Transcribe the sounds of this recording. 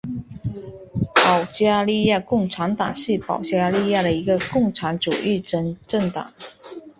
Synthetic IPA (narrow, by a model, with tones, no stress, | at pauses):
pɑ˨˩ʊt͡ɕja˥˧li˥˧ja˥˧kʊ˥˩ŋʈ͡ʂʰa˧˥nt̪ɑ̰˨˩ŋɕi˥˩pɑ̰˨˩ʊt͡ɕja˥li˥˧ja˥˩d̪ə˩i˧˥ɡə˧kʊ˥˩ŋʈ͡ʂʰa˧˥nʈ͡ʂu˨˩ʔi˥˩˧ʈ͡ʂə˥˩ŋt̪ɑ̰˨˩˦ŋ